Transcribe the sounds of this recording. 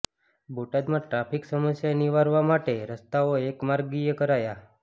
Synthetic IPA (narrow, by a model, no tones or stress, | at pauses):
bʱoʈad̪mãʈɾapiksəməsjaniʋaɾʋamaʈeɾəst̪aoekmaɾɡijekəɾaja